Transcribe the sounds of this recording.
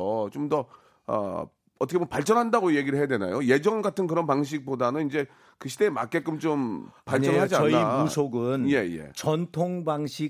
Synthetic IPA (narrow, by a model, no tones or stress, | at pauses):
ʌt͡ɕomdʌ | ʌ̰ | ʌtʰʌkʰewopaɭt͡ɕ͈ʌnɦandaɡoje̞ɡiɾɯɭɦeadwena̰joje̞d͡ʑʌŋɡatʰɯnkɯɾʌnpaŋɕ̬ʰik̚p͈odanɯnind͡ʑe̞ | kɯɕʰide̞ːma̰k͈ek͈ɯmt͡ɕompaɭt͡ɕʌɦad͡ʑianːimusʰoɡɯnje̞jḛt͡ɕʌntʰoŋbaŋɕʰi